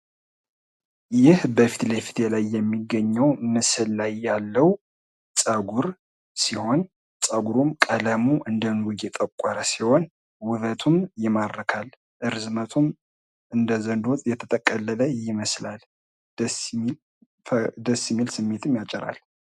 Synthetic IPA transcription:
jɪhbəfi̥t̪ləfi̥t̪ʰelajːɛmːiɡəɲːəwmɨsɨlːajːalːəw | sʼəɡʷuɾ | siho̞n | sʼəɡuɾumkʼələmuʔɨnd̪əmɡud̪ɛt̪ʼəkʷʼːaɾəsiho̞n | wʊβət̪ʰumjɪmaɾəkʰal | ʔɨɾzmət̪ʰum | ɨnd̪əzənd̪ot̪ʼjɛt̪ʰət̪ʼəkʼːəlːələjɪməslal | d̪əsːjɪmːilsɨmːe̞t̪ʰɨmjat͡ʃʼɪɾa̰l

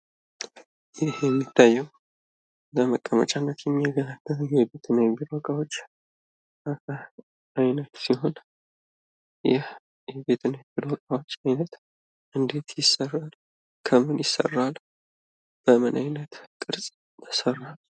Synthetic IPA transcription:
jɪhjɛmːit̪ʰːajːɛw | ləməkʼːəmə̰t͡ʃʼanːət̪jɛmːiaɡəlalːəjɛbet̪ʰɨnːajbilokʼawo̞t͡ʃː | a | ajnət̪siho̞n | jɪh | jɛbe̞t̪ʰɨnajbilɔkʼawo̞t͡ʃːajnət̪ | ʔɨnd̪e̞t̪jɪsːərːal | kʰəmɨnjɪsə̰rːal | b̥əmɨnʔajnət̪kʼɨɾsʼ | mʰəsərːal

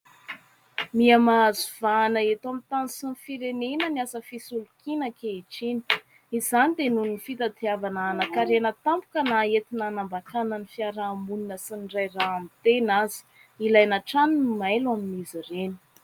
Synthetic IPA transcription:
miamazuv̥aːnəet̪amit̪anisinfiɾenenəniasəfisulukinəkeiʈ͡ʂini̥ | izanid̪enunifit̪at̪iavanaanakaɾenət̪ampu̥kənaet̪inanambakanənifiaɾaːmuninəsiniɖ͡ʐajraamit̪enazi̥ | ilajnaʈ͡ʂaninumajlwaminizireni̥

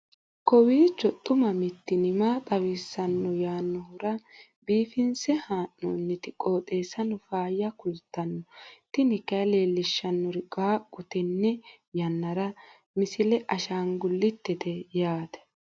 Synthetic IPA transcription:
kɔwiːt͡ʃːɔt̪ʼːʊmɐmɪt̪ːɪnɪmaːt̪ʼɐwisːɐnːɔjaːnːɔhʊɾɐ | biːfɪnsɛhaːʔːɔːnːɪt̪ɪkʼo̞ːt̪ʼe̞ːsɐnʊfaːjːɐkʊlt̪ːɐnːɔt̪ɪnɪkːɐleːlːɪʃːɐnːɔɾɪɡʼaːkʼːʊt̪ɛnːɛ | jɐnːɐɾɐ | mɪsɪlɛʔɐʃaːŋɡʊlːɪt̪ːɛt̪ɛjaːd̪ɐ̥

